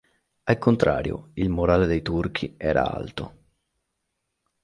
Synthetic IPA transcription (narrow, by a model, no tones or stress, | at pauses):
alkont̪ɾa̰ːɾjo̰ilmoɾaːled̪ejt̪urkʰiɛːɾa̰a̰lt̪o